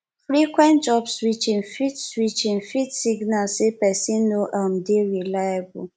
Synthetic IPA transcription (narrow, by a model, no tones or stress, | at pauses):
fɾikwɛ̃ntd͡ʒɔbswit͡ʃĩnfitswit͡ʃin̩fitsiɡnalsepɛsinoʔam̩deɾilajabʊ